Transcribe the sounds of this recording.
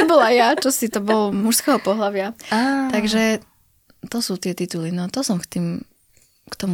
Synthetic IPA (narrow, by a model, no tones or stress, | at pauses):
ɛbɔlajjat͡ʃɔsit̪ɔbɔlmuʃskɛɦɔpɔɦlaʋɪaat̪aɡʒɛ | t̪ɔsuːt̪ɪɛt̪it̪ulinɔt̪ɔsɔmkt̪iːm | kt̪ɔmu